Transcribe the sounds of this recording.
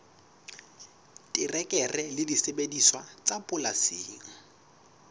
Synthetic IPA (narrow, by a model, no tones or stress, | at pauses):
tʼɪrɛkʼɛrɛlɪdisebediswat͡sʼapʼʊlasɪːŋ̩